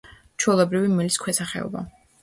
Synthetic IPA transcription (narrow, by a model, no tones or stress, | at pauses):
t͡ʃʰwɛlˠɔbɾivimɛliskʰwɛsaχɛ̰ɔ̰ba̰